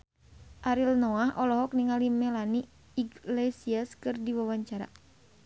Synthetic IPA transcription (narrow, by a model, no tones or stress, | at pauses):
ʔaɾilnɔahɔlɔɦɔk̚niŋalimɛlani | iɡlesiaskɨrdiwawaɲt͡ʃaɾa̰